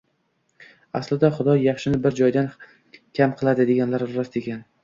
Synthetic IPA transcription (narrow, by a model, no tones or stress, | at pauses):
aslɪd̪aχʊd̪ɒjɑχʃɪnɪbɪɾd͡ʒɒjd̪an | kʲʰamqʰɨlˠad̪ɪd̪e̞ɡʲanlaɾɾast̪ekʲan